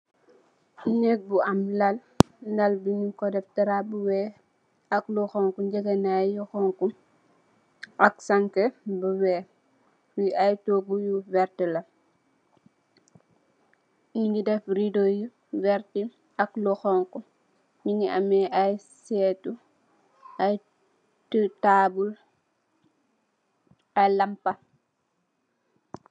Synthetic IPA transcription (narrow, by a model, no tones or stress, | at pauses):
nek̚buʔɐmlɐl | dɐlbiɲukɔdɛftɐɾabuwɛː | ɐkluxɔŋkud͡ʒəɡɐnajuxɔŋku | ɐksaŋkɛbuwɛ | wiʔajtoːɡujuvɛɾtilɐ | ididɛfridoju | wɛɾti | ɐklɔxɔŋku | ɲiŋiʔa̰mɛaj | sɛːtu | ʔaj | tətaːbul | ajlampɐ